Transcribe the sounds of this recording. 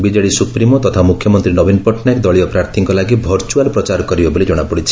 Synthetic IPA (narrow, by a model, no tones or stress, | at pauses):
bid͡ʒaɽisupɾimɔt̪ɔt̪ʰamukʰjɔmɔnt̪ɾinɔbinpɔʈʰnaekd̪ɔɭijɔpɾaɾt̪ʰiŋkɔlaɡibʱɔɾt͡ʃualpɾɔt͡ʃaɾɔkɔɾibebɔlid͡ʒɔɽ̃apɔɽit͡ʃʰi̥